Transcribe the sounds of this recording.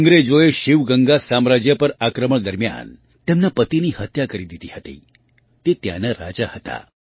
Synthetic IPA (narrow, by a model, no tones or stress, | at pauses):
əŋɡɾed͡ʒoeʃiʋɡəŋɡasamɾad͡ʒjəpəɾakɾəməɳd̪əɾmja̰n | t̪emnapət̪inihət̪jakəɾid̪it̪ihət̪ḭ | t̪et̪ja̰naɾa̰d͡ʒahət̪a̰